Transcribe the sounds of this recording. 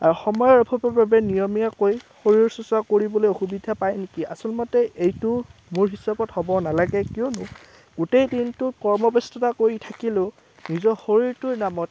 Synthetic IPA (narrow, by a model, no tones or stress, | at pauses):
aɹuxɔmɔjɔɹɔpʰɔpɔbabɛnijɔmijakojxoɹiɹsusakoɹibɔlojoxubidʱapajnekia̰sɔlmɔtɛejtʊmuɹɦisabɔthɔbɔnalaɡɛkiɔnʊ | ɡ̥utejdintʊkɔɹmɔbestɔtakoɹitʰakilʊ | nizɔxoɹiɹtʊɹnamɔt̚